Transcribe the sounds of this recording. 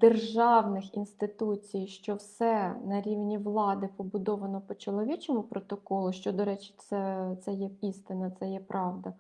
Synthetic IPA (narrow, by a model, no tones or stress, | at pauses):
d̪erʒɑwnɪxinst̪ɪt̪ut͡sʲijʃt͡ʃɔwsɛnɐɾʲiwnʲiʋlˠɑd̪ɪpɔbʊd̪ɔʋɐnɔpɔt͡ʃɔlˠɔʋʲit͡ʃɔmʊpɾɔt̪ɔkɔlˠʊʃt͡ʃɔd̪ɔɾɛt͡ʃɪ̥t̪sɛt̪sɛjɛist̪ɪnɐt̪sɛjɛpɾʔɑʋd̪ɐ